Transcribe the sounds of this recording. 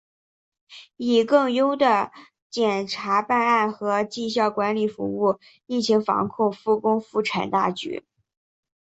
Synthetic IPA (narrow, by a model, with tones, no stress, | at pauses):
i˨˩kɤ˥˩ŋjo˥ʊd̪ə˨ | t͡ɕjɛ˨˩nʈ͡ʂʰa˧˥pa˥˧na˥˩nxɤ˧˥t͡ɕi˥˧ɕ̬jɑ˥˩ʊkwa˧˥nli˨˩fṵ˧˥u˥˩ | i˥˩t͡ɕʰi˧˥ŋfɑ̰˧˥ŋkʰʊ˥˧ŋfu˥˩kʊ˥ŋfu˥˩ʈ͡ʂʰa˨˩nt̪a̰˥˩t͡ɕy̰˧˥